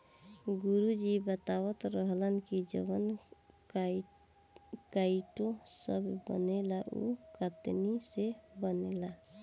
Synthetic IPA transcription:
ɡuɾud͡ʒibət̪awət̪ɾəɦlənkid͡ʒə̰bən | kaiʈõsəbʱbə̰nelaʔṵkət̪nisebənela

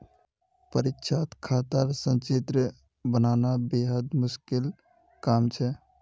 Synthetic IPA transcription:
pəɾikʃʰat̪kʰat̪əɾsə̃nt͡ʃet̪ɾə | bənanabeɦəd̪mʊskil | kaːmt͡ʃʰɛ

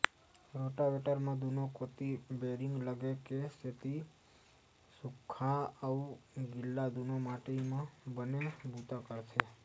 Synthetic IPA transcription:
ɾoʈaʋeʈəɾmãd̪ʱunokot̪ibeɾiŋɡləɡekeset̪i | sukʰːaəũɡɪlːad̪ʱunomaʈemãbənebut̪akəɾt͡ʃʰe

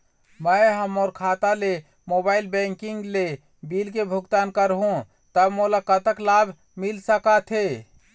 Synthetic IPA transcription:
məjɦəmoɾkʰat̪ale | mobaɪlbɛ̃ŋkiŋɡle | bilkebʱuɡt̪ankəɾɦũ | t̪əbmolakət̪əklabʱ | milsəkat̪ʰe

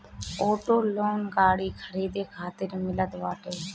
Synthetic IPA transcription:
oːʈoːloːnɡaːɽikʰəɾiːd̪ekʰaːt̪ɪɾmɪlət̪ʋaːʈeː

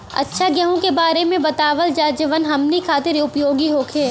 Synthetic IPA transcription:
ɐ̰tːʃʰaɡɐɦõkebaːɾemẽbɐt̪aːʋəld͡ʒaːd͡ʒəʋənɦɐmnikʰaːt̪ɪɾiʊpjoːɡiɦoːkʰeː

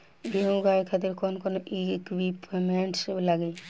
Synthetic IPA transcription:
bʱiõɡajkʰat̪iɾkɔnkonoʔikwipmeɳʈslaɡe

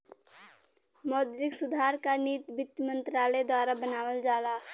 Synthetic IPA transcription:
mɔːd̪ɾɪksʊd̪ʱaːɾkaniːt̪bɪt̪mə̃nt̪ɾaːled̪waːɾabənaːwəld͡ʒaːlaː

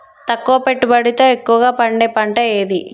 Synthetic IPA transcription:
t̪ɐkːuʋɐpe̞ʈːubɐɽit̪o̞ːekːuʋɐɡaːpɐɳɖeːpɐɳʈɐeːd̪i

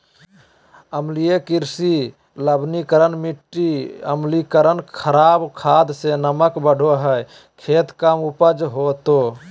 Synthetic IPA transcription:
əmlijekiɾsi | ləbnikəɾənmiʈːiə̰mlikəɾənkʰəɾaːbkʰaːd̪senəməkbəɽ̤ʱoɦə | kʰeːt̪kamupəd͡ʒɦot̪o

